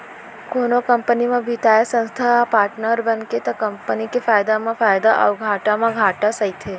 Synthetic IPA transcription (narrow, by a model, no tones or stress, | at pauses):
konokəmpənimãbʱit̪ʰajesə̃nst̪ʰapaɾʈnəɾbənket̪akəmpənikefajd̪amãfajd̪aʔə̰ʋɡʱaʈamãɡʱaʈasəjt̪ʰe